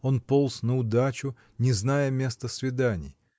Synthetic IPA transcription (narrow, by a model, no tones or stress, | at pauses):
o̞npolˠsnəʊd̪at͡ɕʊ | nʲɪznajəmʲe̞st̪əsvʲɪd̪anʲɪ̰j